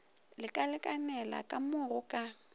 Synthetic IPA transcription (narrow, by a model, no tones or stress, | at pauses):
lɪkʼalɪkʼanɛla̰kʼamʊrʊkʼa